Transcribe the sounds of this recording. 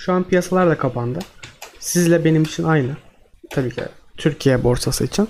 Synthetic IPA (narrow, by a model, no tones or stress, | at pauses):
ʃuanpʰijasalˠaɾlˠakʰapʰand̪ɯsizlʲɛbe̞nimit͡ʃʰinajnɯ | t̪ʰabiːcʰḭt̪ʰyɾcʰijɛbo̞ɾsʰasɯit͡ʃʰin